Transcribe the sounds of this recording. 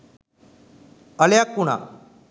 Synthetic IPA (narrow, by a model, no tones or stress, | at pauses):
əljakːuɳ̃a̰